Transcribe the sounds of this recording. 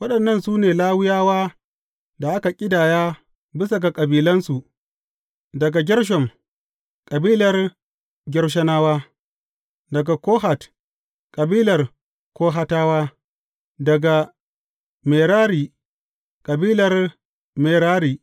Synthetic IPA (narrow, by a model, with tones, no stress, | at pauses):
wɐ˦ɗɐ˨nːɐ˦˨nsuː˦neː˨laː˦wɪ˦jaː˦waː˦ | da˨ʔa˦ka˨kʲʼɪ˦daː˨jaː˦ | bɪ˦sa˨ɡa˨kʼɐ˨biː˦lɐ˦nsu˨ʔ | dɐ˨ɡa˨ɡʲɪ˦ɽʃ̬ɔ˨m | kʼɐ˨biː˦lɐ˨r | ɡʲɪ˦rʃ̬ɐ˦naː˦waː˦ | dɐ˨ɡa˨koː˦ɦa˨t | kʼɐ˨biː˦lɐ˨r | koː˦ɦa˦taː˦waː˦ | dɐ˨ɡa˨ | meː˨ɾaː˦ɾiː˨ | kʼɐ˨biː˦lɐ˨r | meː˨ɾaː˦ɾiː˨